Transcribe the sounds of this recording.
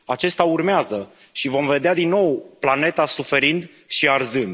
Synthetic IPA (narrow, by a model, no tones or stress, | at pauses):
at͡ʃe̞st̪aurmeazə | ʃivo̞mve̞d̪ead̪inːo̞wplane̞t̪asufe̞ɾind̪ | ʃiarzɨnd̪